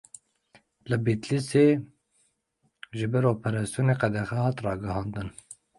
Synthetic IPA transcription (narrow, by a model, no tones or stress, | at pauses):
lɨbit̪liseː | ʒɪbɛɾoːpʰɛɾɑsijoːneːqɛd̪ɛxɛhɑːt̪rɑːɡɨhɑːnd̪ɨn